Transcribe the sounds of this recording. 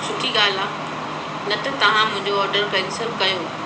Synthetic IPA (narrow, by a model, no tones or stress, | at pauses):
sʊʈʰiɡaːla | nɐt̪ɐt̪ɐʋ̤ãmʊ̃ɦɪ̃ɲd͡ʑoɔːɾɖəɾbɛ̃ŋsəbkɐjoː